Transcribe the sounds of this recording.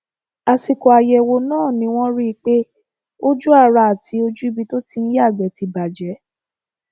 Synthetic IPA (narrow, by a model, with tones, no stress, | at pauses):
a˧si˧kɔ˨a˧jɛ˧wo˧nãː˦˨nĩ˨˦w̃ɔ̃˦ɾi˦˧k͡pe˦ | o˦d͡ʒu˦a˦˨ɾa˧a˨ti˨˧˦o˧d͡ʒu˦i˦˧bi˧to˦ti˧n̩˦ja˦˨ɡ͡bɛ˨˦ti˧ba˨d͡ʒɛ˨˦